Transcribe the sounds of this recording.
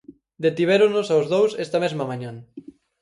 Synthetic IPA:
d̪et̪iβ̞ɛɾonosawzðowsɛst̪ɐmezmɐmãɲãŋ

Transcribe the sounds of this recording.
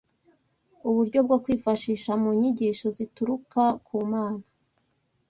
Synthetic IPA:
uβuɾɟo̞b̚ɡokwiːfaʃiːʃamuɲiɟiːʃo̞zituɾukakʰuːmaːna

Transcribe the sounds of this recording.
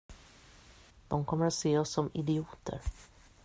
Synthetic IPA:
d̪̥ɔmkʰɔmːəɾat̪seːɔsːɔmɪd̪ɪuːt̪ʰə̰ɾ

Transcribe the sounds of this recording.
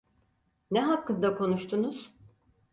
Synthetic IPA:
nɛɦakʰːɯnd̪akʰo̞nuʃt̪ʰunuz̥

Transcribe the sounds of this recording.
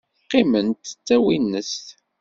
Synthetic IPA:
qːimənt̪t͡sːæwinːəst̪

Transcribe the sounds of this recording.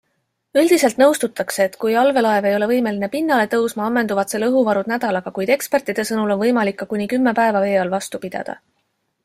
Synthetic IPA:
yld̪̥ise̞lt̪nɤwst̪ut̪ːˑɑkse̞ːt̪ːkujɑlve̞lɑe̞ve̞jo̞le̞vɤjme̞line̞pinːɑle̞t̪ɤwsmɑɑmːe̞nd̪uvɑt̪se̞lɤɦuvɑɾud̪næd̪̥ɑlɑɡ̥ɑkujd̪̥e̞kspert̪ːˑid̪̥e̞sɤnulo̞nvɤjmɑlikːɑkunʲikymːe̞pæe̞vɑve̞ːɑlvɑst̪upid̪̥ɑ̰d̪̥ɑ̰

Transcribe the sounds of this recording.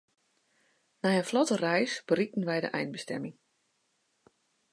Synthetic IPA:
najənflɔtərɛjsb̥ərik̚n̩ʋɛjdə̰ʔɛjnbəstɛ̰mɪŋ

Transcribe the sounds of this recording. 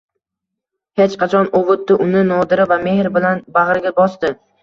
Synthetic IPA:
het͡ʃqɑt͡ʃʰɒnovʊt̪ːɪʔʊnɪnɒd̪ɪɾɪvamehɾbɪlanbaʁɾɡʲabɒsd̪ɪ

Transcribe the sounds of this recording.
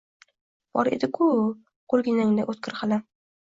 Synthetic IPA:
b̥ɒɾḛd̪ɪkʰʊ | qʰolˠɡʲɪnaŋd̪aʔot̪̚kʲʰɪɾqɑla

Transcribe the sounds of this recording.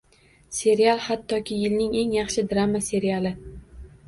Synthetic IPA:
se̞ɾialˠhat̪ʰːɒkʲɪjɪlnɪŋe̞ŋjɑχʃɪd̪ɾamase̞ɾijalɪ

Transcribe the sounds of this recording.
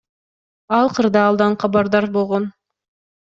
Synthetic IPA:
ɑlˠqɯɾd̪ɑːlˠd̪ɑɴqʰɑbɑɾd̪ɑɾbo̞lˠʁon

